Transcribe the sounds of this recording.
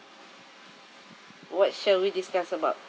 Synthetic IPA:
wɔt̚ʃalwidiskasəbaʊt

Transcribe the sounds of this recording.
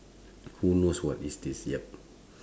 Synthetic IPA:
hunoswɔtisdisjɛp̚

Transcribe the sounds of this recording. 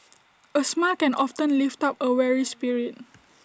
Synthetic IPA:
əsmalkɛ̃nɔftə̃nliftapəwɛɹispiɹiət̚

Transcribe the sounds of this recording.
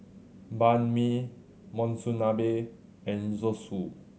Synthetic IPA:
banmi | mɔ̃nsunabe | ɛ̃nzɔsu

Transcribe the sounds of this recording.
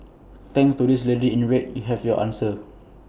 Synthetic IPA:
t̪ɛ̃ŋstudislediĩnɹet̚juɦɛvjɔʔã̰nsə

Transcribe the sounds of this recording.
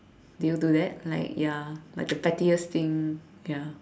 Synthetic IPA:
dujududɛt̚la̰ɪkjalaɪk̚dəpɛtiəst̪ĩŋ | ja

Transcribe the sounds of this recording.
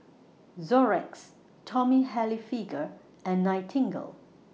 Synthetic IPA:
zɔɹɛks | tʰɔmiɦɛlifiɡə | ɛ̃nːaɪtʰɪ̃ŋɡə̰l

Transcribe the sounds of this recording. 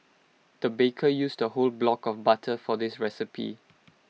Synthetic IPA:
d̪̥əbekʰəjuːsdəholblɔkɔfbatʰəfɔdɪsɹɛsɪpʰḭ

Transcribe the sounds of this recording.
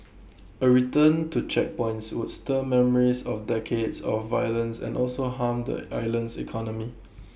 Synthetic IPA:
əɹitə̃ntut͡ʃɛk̚pɔ̃ɪ̃ntswudstəmɛməɹisɔfdɛkʰedsɔfːajələ̃nsɛ̰̃nʔɔlsoɦãmd̪ə̰aɪlə̃nsḭkʰɔnəmi

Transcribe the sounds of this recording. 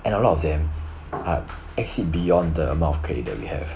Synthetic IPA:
ʔɛ̃nəlɔtɔfdɛ̃m | a̰ | ɛk̚t͡ʃlibijɔ̃ndəəmãʊ̃ntɔfkʰɹḛdɛ̰t̚wḭhɛ̰v

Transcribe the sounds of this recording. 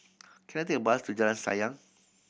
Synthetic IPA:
kinat̪̬ibaɦast̪ud͡ʒalansa̰jaŋ

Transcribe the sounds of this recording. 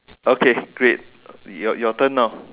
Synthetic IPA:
ʔokʰeɡ̥ɹet̚ | ɔjɔt̪ə̃nːa

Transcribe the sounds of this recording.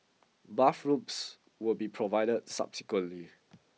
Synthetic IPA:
bafɹups | wulbipʰɹɔvaɪdəd̚sa̰psi̥kwə̃nli

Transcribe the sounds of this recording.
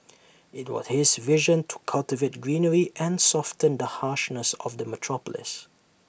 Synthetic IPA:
ɪt̚wɔ̰z̥hɪzvɪʒə̃ntʰu̥kʰalˠtɪveɪt̚ɡɹĩːnəɹiʔɛ̃nsɔftə̃nd̪əhaʃnəsɔ̰vd̪əmətʰɹ̥ɔpəlɪ̰s

